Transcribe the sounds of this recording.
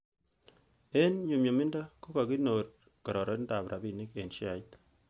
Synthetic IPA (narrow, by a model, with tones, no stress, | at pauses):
e˦nɲu˨mɲo˨mi˦nda˦ko˦ka˨ki˦no˨t̚ | ka˨ɾɔ˨ɾɔ˦nda˨pɾʔa˨bi˨ni˦ke˨nʃi˦a˨i˦t